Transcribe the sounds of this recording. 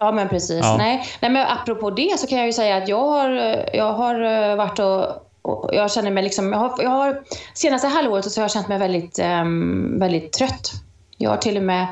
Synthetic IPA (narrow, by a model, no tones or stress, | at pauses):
ɑːmɛnpʰɾɛsiːsnɛnɛmɛnʔapːɾʊpʰoːd̪ɛsɔkʰanjɑjɵsɛjːaːt̪jɑːɡhaɾjɑːɡɦaɾvaʈːɔ | ɔjɑːɕɛnːəɾmɛjlɪksɔmjɑhajɑːɡhaɾseːnast̪əɦalːvoːɾət̪sɔhaɾhaɾɕɛnt̪mɛjvɛld̪ɪt̪ | vɛld̪ɪt̪ʰːɾœt̪ː | jɑ̰ːɡha̰ʈʰɪlːɔmɛː